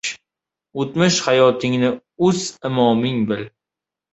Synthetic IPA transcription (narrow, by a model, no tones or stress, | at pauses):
ot̪mɪʃhajɒt̪ʰɪŋnɪ | ʊz̥ɪmɒmɪŋbɪl